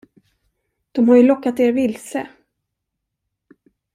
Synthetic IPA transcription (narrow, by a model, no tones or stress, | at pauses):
d̪̥ɔmhaɾjɵlɔkːat̪eːɾvɪlsə